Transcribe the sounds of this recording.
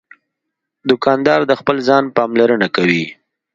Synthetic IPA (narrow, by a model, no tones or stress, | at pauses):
d̪ʊkɑnd̪ɑɾd̪əxpəlzɑnpɑmlaɾənakawi